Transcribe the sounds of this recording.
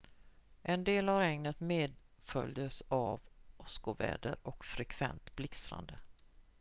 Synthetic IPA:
ʔɛnd̪eːlavɾɛŋnət̪meːd̪ | fœljəsavɔskʊvɛ̰ːd̪əɾɔkfɾɛkʰv̥ɛnt̪blɪksɾa̰nd̪ə

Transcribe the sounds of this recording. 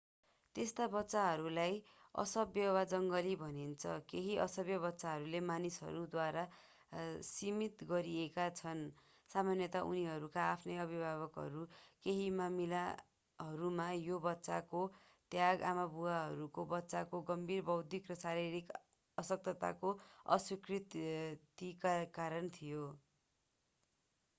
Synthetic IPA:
t̪est̪abʌtːsaɦʌɾulajʌ̰sʌbjʌbad͡zʌŋɡʌlibʱʌnint͡sʰʌ̰keɦiʔʌ̰sʌbjʌbʌtːsaɦʌɾulemanisɦʌ̰ɾud̪waɾa | simit̪ɡʌɾiekat͡sʰʌn | samanjʌt̪aʔṵniɦʌɾukaːpʰnʌjʌbʱibʱaβʌkɦʌ̰ɾukeɦimamila | ɦʌɾumajobʌtːsa̰ko | t̪jaɡamabuwaɦʌɾukobʌtːsakoɡʌmbʱirbʌwd̪ʱikrʌsaɾiɾik | ʌsʌk̚t̪ʌt̪a̰koʌ̰swikrit̪t̪ikakaɾʌnt̪ʰijo

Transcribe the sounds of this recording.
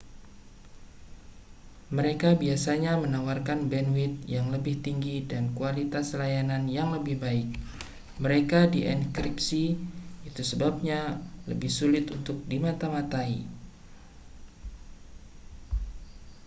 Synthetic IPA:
məɾekabiasaɲamənawarkanbɛnwɪt̪̚jaŋləbɪht̪iŋɡidankualit̪aslajananjaŋləbɪhbaɪk̚ | məɾekadiʔɛnkɾip̚siit̪usəbab̚ɲalə̰bɪhsulɪt̪unt̪ʊk̚dimat̪amat̪aḭ

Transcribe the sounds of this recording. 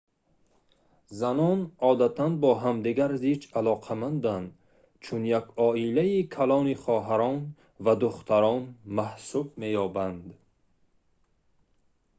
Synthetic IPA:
zanɔnɔːd̪at̪ʰanbɔɦamd̪iɡaɾzit͡ʃalɔqʰamand̪and̪ | t͡ʃʰunjakɔilaikʰalɔniχɔɦaɾɔn | vad̪uχt̪ʰaɾɔnmahsubme̞jɔːband̪

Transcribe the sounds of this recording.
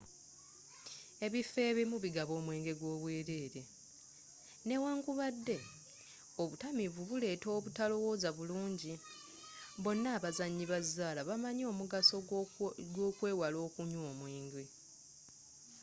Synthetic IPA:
e̞βife̞ːβemuβiɡaβo̞ːmwe̞ːŋɡe̞ɡwo̞ːβwe̞ːɾe̞ːɾe̞ | ne̞waːŋɡuβadːe̞ | o̞βutamiβuβule̞ːto̞ːβutalo̞wo̞ːzaβuluːɲɟi | βo̞nːaːβazaɲːiβazːaːlaβamaɲo̞ːmuɡasoɡo̞ːkwe̞ːwalo̞ːkuɲoːmwiːŋɡe

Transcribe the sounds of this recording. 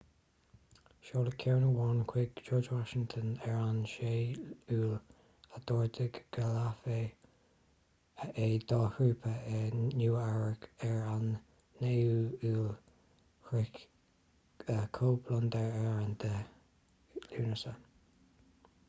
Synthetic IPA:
ʃoːləkʰɛɹnəwɔnkʰwɪɡd͡ʒɔːɹd͡ʒwɔʃɪŋt̪ʰənɛɹanʃeːuːl | ad̪̥ɔːɹd̪ɪɡɡ̥alafe | ʔed̪̥ɑːhɹuːpʰəɛnjuːɛɹəkɛɹanː | euuːl | hɹɪk | əkʰoːblɔnd̪əɹɛɹand̪̥ə | luːnəsə

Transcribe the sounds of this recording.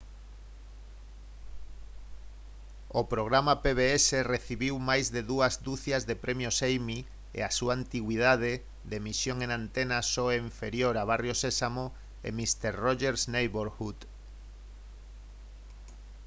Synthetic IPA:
opɾoɣ̞ɾamapeβeesereθiβiwmajzðeðuazd̪uθjazðepɾʔemjosejmi | ḛasuaːnt̪iɣwið̞að̞e | ðemisjoŋẽŋãnt̪enasoeiɱfeɾjoɾaβ̞arjosesamo | ḛmist̪eɾroʒeɾsnejβoɾxut̪

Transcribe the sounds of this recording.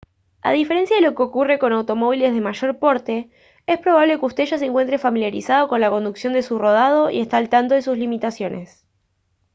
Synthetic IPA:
a̰ð̞ifeɾe̞nsjaðelo̞keokure̞ko̞nawt̪o̞mo̞β̞ile̞zðe̞maʒo̞ɾpo̞ɾt̪e̞ | e̞spɾo̞βaβle̞kust̪e̞ʒas̬eŋkwe̞nt̪ɾe̞familjaɾisað̞o̞ko̞nlako̞nd̪uksjo̞nd̪e̞suro̞ð̞að̞o̞ḭest̪aːlt̪ant̪o̞ðe̞suslimit̪asjo̞nʔe̞s

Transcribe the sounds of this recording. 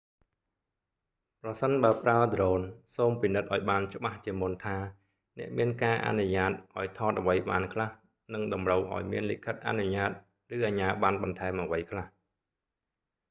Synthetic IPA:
prɑsənɓaəpraəd̪roːnsoːmpinɨt̪̚ʔaɔjɓaːnt͡ɕə̆ɓaht͡ɕiəmunt̪ʰaː | nɛ̆əʔmiənkaːʔa̰nuɲaːt̪̚ʔaɔjt̪ʰɑːt̪̚ʔəʋəjɓaːnkʰlah | nɨŋɗɑmrəwʔa̰ɔjmiənlḭkʰət̪̚ʔa̰nuɲaːt̪̚ | rɨːʔaːɲaːɓanɓɑnt̪ʰaɛmʔəʋəjkʰlah

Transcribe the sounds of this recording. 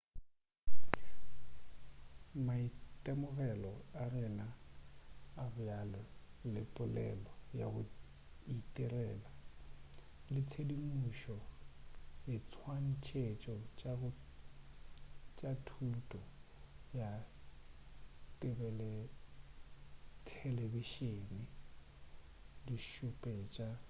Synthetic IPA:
maitʼɛmʊɣɛlɔarɪnaː | bʊjalɔlɪpʼʊlɛ̰lɔja̰ɣʊ | itʼɪrɛːla | lɪt͡sʰedimuʃɔ | jɪt͡sʰwan̩t͡ʃʰet͡ʃʼɔt͡ʃʼaɣʊ | t͡ʃʼatʰutʼɔja | tʼɪbɛlɛ | tʰɛlebiʃeːnɪ | diʃupʼɛt͡ʃʼa

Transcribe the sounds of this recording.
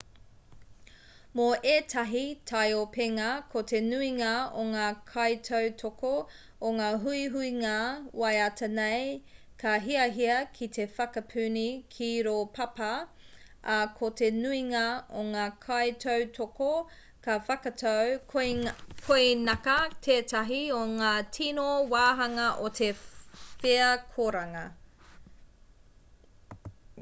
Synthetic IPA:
moʔeːtʰɐɦitʰɐjopeŋɐkʰotʰenuiŋɐoŋaːkʰɐjtʰowtʰoko | oŋaːɦuiɦuiŋawɐjɐtʰɐnej | kʰɐɦiɐɦiɐkʰitʰe̞fɐkɐpʰʉnikʰiɾoːpʰɐpɐ | kʰote̞nuiŋɐoŋaːkʰɐjtʰowtʰoko | kɐfɐkɐtʰow | kʰojnɐkɐtʰeːtɐɦioŋaːtʰinowaːɦɐŋɐʔotʰefeɐkʰoɾɐŋɐ

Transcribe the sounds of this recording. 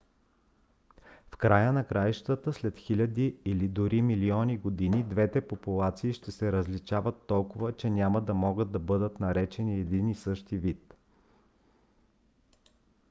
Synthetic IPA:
fkɾajənɐkɾajʃt̪ət̪əslɛt̪xilʲɐd̪iilid̪ʊɾʔimiliɔniɡod̪inid̪vɛt̪ɛpopulˠat̪siːʃt̪ɛsɛɾəzlit͡ʃavət̪ːɔlˠkʊvət͡ʃɛnʲamɐd̪ɐmɔɡəd̪̚d̪ɐbɤd̪ət̪nɐɾɛt͡ʃɛniɛd̪inisɤʃt̪ivit̪

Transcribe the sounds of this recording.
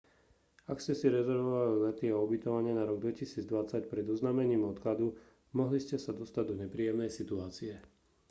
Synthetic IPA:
akscɛsiɾɛzɛɾʋɔʋalilɛt̪iɔubit̪ɔʋaɲɪɛnaɾɔɡ̚d̪ʋɛcisiːd͡zd̪ʋat͡sacpɾɛd̪ɔznaːmɛɲiːmɔt̪klad̪u | mɔɦliscɛsad̪ɔst̪aɟd̪ɔɲɛpɾiːjɛmnɛjsit̪uaːt͡siɛ

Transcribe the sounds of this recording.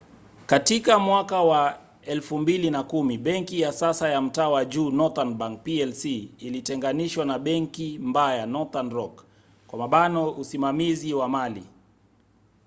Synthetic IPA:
katikamwakawa | ɛlfumbilinakumiɓɛŋkijasasajam̩taːwaʄuːnɔtanɓaŋk̚piɛlsiːlitɛŋɡaniʃwanaɓɛŋkimbajanɔtanɾɔk | kwamaɓanɔusimamiziwamali

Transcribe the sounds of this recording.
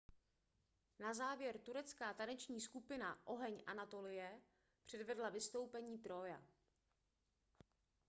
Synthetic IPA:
nazaːvjɛɾt̪uɾɛt͡skaːt̪anɛt͡ʃɲiːskupɪnaʔo̞ɦɛɲʔa̰nat̪o̞lɪjɛ | pr̝̥ɛdvɛdlavɪst̪o̞wpɛɲiːt̪ɾoja̰

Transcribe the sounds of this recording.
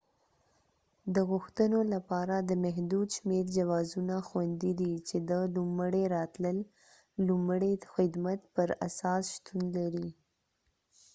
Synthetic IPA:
d̪əɣʊxt̪ənolapɑɾad̪əmaɦd̪ud̪ʃmeɾd͡ʒawɑzunaxwand̪id̪it͡ʃed̪əlumɽeɾɑt̪ləlː | umɽexɪd̪mat̪pəɾasɑsʃt̪unlaɾi

